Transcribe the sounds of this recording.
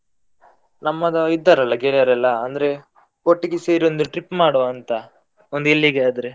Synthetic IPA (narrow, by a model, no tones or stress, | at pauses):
nɐmːɐd̪ɐid̪ːɐɾɐlːɐɡeːɭiɐɾɛlːɐːnd̪ɐɾe | koʈːiɡeseːɾiond̪uʈɾipːmaːɽoːɐnt̪ɐ | ond̪uelːiɡeɐd̪ɐɾe